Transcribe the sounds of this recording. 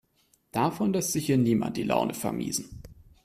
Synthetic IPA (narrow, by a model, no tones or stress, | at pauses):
d̥afɔnlɛstz̥ɪçhiːɐniːma̰nt̚d̥iːlʔa̰ʊnʔəfɛɐmʔḭːzn̩